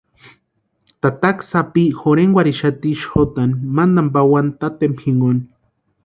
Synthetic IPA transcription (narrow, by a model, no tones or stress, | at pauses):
t̪at̪aksapixoɾeŋɡʷwaɾiʃat̪iʃxot̪animand̪ambawant̪at̪empʰxiŋɡoni